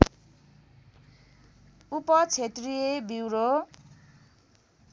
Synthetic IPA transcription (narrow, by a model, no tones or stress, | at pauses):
upʌt͡sʰet̪rijebiwɾo